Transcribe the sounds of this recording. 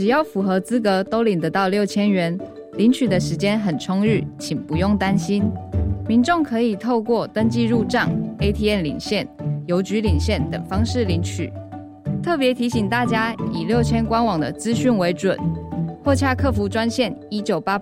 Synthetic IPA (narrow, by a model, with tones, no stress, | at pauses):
ʈ͡ʂɻ̩˨˩jɑ˥˩ʊfu˧˥xɤ˧˥t͡sɹ̩˥k̬ɤ˧˥t̪o˥ʊli˨˩nd̪ə˨˦t̪ɑ˥˧ʊljo˥˩ʊt͡ɕʰjɛ˥nɥɛ˧˦n | li˧˥nt͡ɕʰy˨˩d̪ə˦ʂɻ̩˧˥t͡ɕjɛ˥nxə˨˩nʈ͡ʂʰʊ˥ŋy˥˩t͡ɕʰi˨˩npu˧˦jʊ˥˩ŋt̪a˥nɕi˥nmi˧˦nʈ͡ʂʊ˥˩ŋkʰɤ˧˥i˨˩t̪ʰo˥˧ʊkwɔ˥˩t̪ə˥ŋt͡ɕi˥˧ɻu˥˧ʈ͡ʂɑ˥˩ŋe˥ɪt̪ʰi˥ɛ˥˩nlḭ˨˩ŋɕjɛ˥˩njo˧˥ʊt͡ɕy˧˥li˨˩ŋɕjɛ˥˩nt̪ə̰˨˩ŋfɑ˥ŋʂɻ̩˥˩li˧˥nt͡ɕʰy̰˨˩˦ | t̪ʰɤ˥˩pjɛ˧˥t̪ʰi˧˥ɕi˨˩ŋt̪a˥˩t͡ɕja˥i˨˩ljo˥˩ʊt͡ɕʰjɛ˥nkwa˥nwɑ˨˩ŋd̪ə̰˦t͡sɹ̩˥ɕy˥˩nwe˧˥ɪʈ͡ʂwə̰˨˩˦nxʰwɔ˥˧t͡ɕʰja˥˧kʰɤ˥˩fu˧˥ʈ͡ʂwa˥nɕjɛ˥˩˨ni˥t͡ɕjo˨˩ʊpa˥